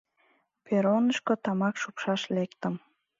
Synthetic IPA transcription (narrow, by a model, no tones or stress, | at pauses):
peɾonəʃkot̪ɑmɑkʃupʃɑʃlekt̪əm